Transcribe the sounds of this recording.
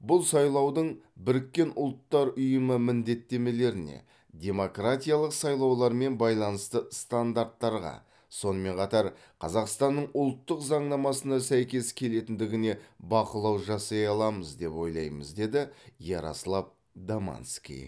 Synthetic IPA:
bʊlˠsɑjlˠɑwd̪əɴbɪɾɪkʲːe̞nʊlˠt̪ːɑɾʊjəməmɪnd̪e̞t̪ːe̞me̞le̞ɾɪne̞̰ | d̪ʲe̞mo̞krat̪ʲijalˠəqsɑjlˠɑwlˠɑɾme̞nbɑjlˠɑnəst̪əst̪and̪aɾt̪ːɑɾʁɑ̰ | so̞nəme̞ɴqʰɑt̪ɑɾ | qʰɑzɑqst̪ɑnːəɴʊlˠt̪ːəqzɑɴnɑmɑsənɑsæjkʲe̞skʲʰe̞le̞t̪ɪnd̪ɪɡʲɪne̞bɑqəlˠɑwʒɑsɑjɑlˠɑməzd̪e̞pwo̞jlˠɑ̰jmə̰zd̪e̞d̪ɪjɑɾɑ̰səlˠɑp̚ | d̪ama̰nskʲḭj

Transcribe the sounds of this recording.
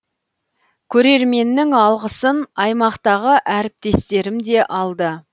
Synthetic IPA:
kʲʰɵɾe̞ɾme̞nːɪŋɑlˠʁəsənɑjmɑqt̪ɑʁəʔæɾɪp̚t̪e̞st̪e̞ɾɪmd̪e̞ʔɑlˠd̪ə

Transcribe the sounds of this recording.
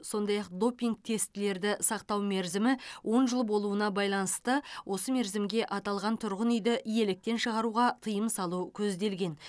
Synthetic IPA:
so̞nd̪ɑjɑq̚d̪o̞pʲiŋɡ̚t̪ʰe̞st̪ɪle̞ɾd̪ɪsɑqt̪ɑwme̞ɾzɪmɪwʔo̞nʒəlˠbo̞lˠuənɑbɑjlˠɑnəst̪əwʔo̞səme̞ɾzɪmɡʲe̞ʔɑt̪ɑlˠʁɑnt̪ʰʊɾʁənʏjd̪ɪʔije̞lɪk̚t̪e̞nʃəʁɑɾuʁɑt̪ʰəjəmsɑlˠukʲʰɵzd̪e̞lɡʲe̞n

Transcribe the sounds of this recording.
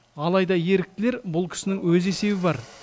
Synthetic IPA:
ɑlˠɑjd̪ɑje̞ɾɪk̚t̪ɪle̞ɾbʊlˠkʲʰɪ̥sɪnɪŋwɵze̞se̞bɪbɑɾ

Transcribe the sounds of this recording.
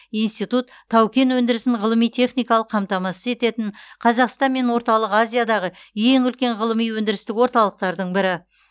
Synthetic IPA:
ijnst̪it̪ut̪ʰːɑwkʲe̞nwɵnd̪ɪɾɪsɪnʁəlˠəmijt̪ʲʰe̞χnijkɑlˠəqʰːɑmt̪ɑmɑsəze̞t̪e̞t̪ɪɴqʰɑzɑqst̪ɑnme̞nwo̞ɾt̪ɑlˠəqazʲijad̪ɑʁəje̞ŋʏlkʲe̞ɴʁəlˠəmijwɵnd̪ɪɾɪst̪ɪkwo̞ɾt̪ɑlˠəq̚t̪ɑɾd̪əɴbɪɾɪ

